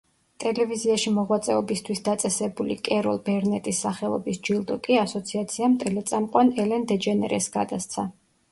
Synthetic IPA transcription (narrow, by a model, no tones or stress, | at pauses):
t̪ʼɛlɛviziaʃimɔʁwat̪sʼɛɔbist̪ʰwisd̪at̪sʼɛsɛbulḭkʼɛɾɔlˠbɛɾnɛt̪ʼisːaχɛlˠɔ̰bisd͡ʒilˠd̪ɔkʼiasɔt̪sʰiat̪sʰiamt̪ʼɛlɛt̪sʼamqʼwanɛlɛnd̪ɛd͡ʒɛnɛ̰ɾɛsɡa̰d̪ast̪sʰa